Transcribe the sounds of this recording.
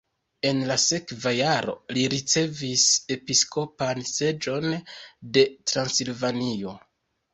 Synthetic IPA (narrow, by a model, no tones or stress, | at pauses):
e̞nlase̞kvajaɾo̞̰liɾit͡se̞vise̞piskʰo̞panse̞d͡ʒo̞nde̞tɾansilvanio̞